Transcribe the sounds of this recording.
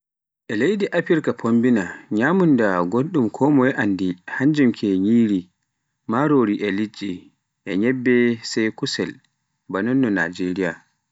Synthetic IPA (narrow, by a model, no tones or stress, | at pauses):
ʔɛlejdiʔapiɾkapʰombinaɲaːmundaɡoɗumkʰɔːmɔjɛʔandihaɲd͡ʒumkʰɛɲiːɾi | maɾoɾiʔɛlid͡ʒi | ʔɛɲɛbːɛsɛjkusɛl | banɔnːɔna̰d͡ʒeɾija̰